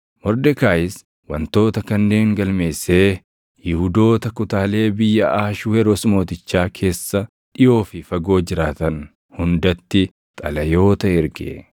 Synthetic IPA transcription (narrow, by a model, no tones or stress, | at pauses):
mɔɾd̪ɛkaːɪs | wɐ̰nt̪o̞ːt̪ɐkɐnːe̞ːŋɡɐlme̞ːsːe̞ː | jɪhʊd̪o̞ːt̪ɐkʊt̪aːle̞ːbɪjːɐʔaːʃuɛɾosmo̞ːt̪ɪt͡ʃːaːkʰe̞ːsːɐ | ᶑɪjo̞ːfɪfɐɡo̞ːd͡ʒɪɾaːt̪ɐn | hʊnd̪ɐt̪ːɪ | t̪ʼɐlɐjo̞ːt̪ɐɪɾɡḛ